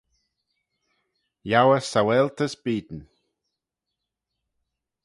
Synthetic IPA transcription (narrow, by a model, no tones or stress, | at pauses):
jawəsawɛlt̪ʰəsbiːd̪n̩